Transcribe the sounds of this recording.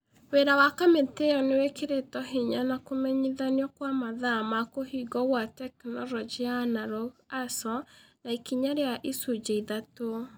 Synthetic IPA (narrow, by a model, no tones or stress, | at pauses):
weɾawakameteɔnewekeɾetɔɦiɲanakomɛɲiðaniɔkwamaðamakoɦiɡɔɣwatɛknɔɾɔd͡ʒianaɾɔɣasɔnaikiɲaɾeaʔisud͡ʑeiðato